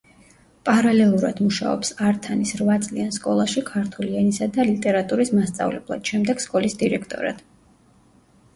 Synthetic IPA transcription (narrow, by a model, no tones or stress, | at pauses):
pʼaɾalɛlˠuɾa̰d̪̥muʃa̰ɔ̰psaɾt̪ʰanisɾvat̪sʼlianskʼɔlˠaʃikʰaɾt̪ʰulianisad̪alit̪ʼɛɾat̪ʼuɾismast̪sʼa̰vlɛ̰blˠa̰d̪̥ʃɛmd̪ɛɡ̥skʼɔlisd̪iɾɛkʰt̪ʼɔ̰ɾa̰d̪̥